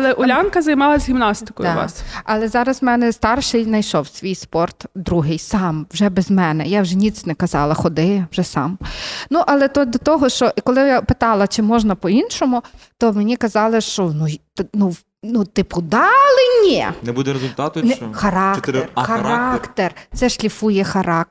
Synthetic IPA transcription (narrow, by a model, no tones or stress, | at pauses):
lˠɛʔɔlʲankɐzɐjmɑlˠɐzʲɦʲimnɑst̪ɪ̥kɔ̰jʊ̰ɑ̰sɐlˠɛzɑɾɐzmɛnɛst̪ɑrʃɪjnɐjʃɔwsʲʋʲijspɔrt̪d̪ɾuɦɪjsɑmwʒɛbɛzmɛnɛjawʒɛnʲit̪t͡sʲnɛkɐzɑlˠɐxɔd̪ɪwʒɛsɑ̰mnuʔɐlˠɛt̪ɔd̪ɔt̪ɔɦɔʃt͡ʃɔʔikɔlˠɪjapɪt̪ɑlˠɐt͡ʃɪmɔʒnɐpɔinʃɔmʊt̪ɔmenʲikɐzɑlˠɪʃt͡ʃɔnujt̪nu | nut̪ɪpʊd̪ɑlˠɪnʲɛnɛbud̪ɛɾezʊlt̪ɑt̪ʊnɛxɐɾɑkɐɾɑkt̪ert̪sɛʃlʲifujɛxɐɾɑk